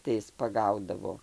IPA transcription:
tɐɪ ˈɪs pɐˈɡɐʊdɐʋoː

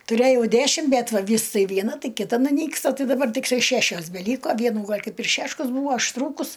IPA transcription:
tʊˈrʲeːjɛʊ ˈdʲæʃʲɪm bʲɛt ʋɐ ˈʋʲiːs ˈtɐɪ ʋʲiɛˈnɐ ˈtɐɪ kʲɪˈtɐ nʊˈnʲiːkstɐ ˈtɐɪ dɐˈbɐr tʲɪkˈtɐɪ ˈʃʲæʃʲoːs bʲɛˈlʲiːkoː ˈʋʲiɛnuː ˈɡɐlʲ ˈkɐɪp ɪr ˈʃʲæːʃkɐs ˈbuːɐ ɐʃˈtruːkʊs

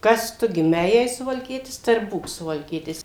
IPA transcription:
ˈkɐs ˈtʊ ɡʲɪˈmʲɛɪ jɛɪ sʊʋɐlʲˈkʲiɛtʲɪs tɐɪ ɪr ˈbuːk sʊʋɐlʲˈkʲiɛtʲɪs

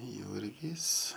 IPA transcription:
ˈjʊrʲɡʲiːs

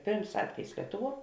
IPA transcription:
ˈpʲeːrms ˈɑːtʲʋʲɛjɪs ˈlʲiɛtʊˌʋuɔ

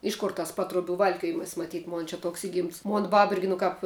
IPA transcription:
ˈɪʃ koːr tɐs ˈpɑːtruɔˌbʲuː ˈʋɐlʲkʲoːjɪmɐs mɐˈtʲiːt ˈmoːn t͡ʃʲɛ ˈtoːks ˈɪɡʲɪmts ˈmoːn ˈbɐp ˈɪrʲɡʲɪ nʊ ˈkɑːp

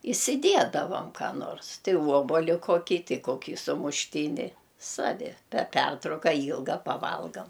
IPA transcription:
ɪsʲɪˈdʲiɛdɐʋɐm kɑː ˈnoːrs tʲɛɪ ˈʋuɔboːlʲɪ koːˈkʲiː ˈtʲɛɪ ˈkoːkʲiː sʊmʊʃʲˈtʲiːnʲɪ ˈsɑːʋʲɪ pʲɛr ˈpʲɛrtrɐʊkɐ ˈiːlˠɡɐ pɐˈʋɐlˠɡɐm

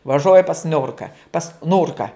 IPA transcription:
ʋɐˈʒoːjɪ pɐs ˈnʲʊrkɐ pɐs ˈnʊrkɐ

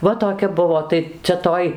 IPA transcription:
ˈʋɐ toːˈkʲɛ ˈbʊʋoː ˈtɐɪ t͡sʲɛ ˈtoːj

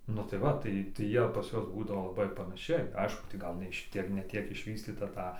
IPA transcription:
nʊ tɐɪ ˈʋɐ ˈtɐɪ tɐɪ ˈjiɛ pɐs ˈjuɔs ˈbuːdɐʋoː lˠɐˈbɐɪ pɐnɐˈʃʲɛɪ ˈɐɪʃkʊ tɐɪ ˈɡɐlˠ nʲɛ ˈʃʲɪtʲiɛk nʲɛ ˈtʲiɛk ɪʃʲˈʋʲiːsʲtʲiːtɐ ˈtɐ

